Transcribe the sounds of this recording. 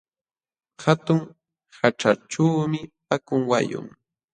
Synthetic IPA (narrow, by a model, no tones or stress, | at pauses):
hat̪ʊŋ | haʈ͡ʂaʈ͡ʂaːmɪpakʊŋwa̰jʊ̰ŋ